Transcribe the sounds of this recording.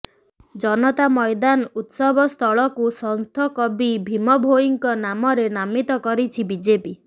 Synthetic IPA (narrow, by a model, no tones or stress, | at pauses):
d͡ʒɔnɔt̪amɔjd̪anut̪sɔbʱɔst̪ʰɔɭɔkusɔnt̪ʰɔkɔbibʱimɔbʱoiŋkɔnamɔɾenamit̪ɔkɔɾit͡ʃʰibid͡ʒepi